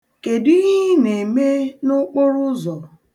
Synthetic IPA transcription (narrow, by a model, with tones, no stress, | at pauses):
ke˨dɪ˦ɣi˦ne˨me˦nʊ˦k͡pʊ˦ɾʊ˦zɔ˨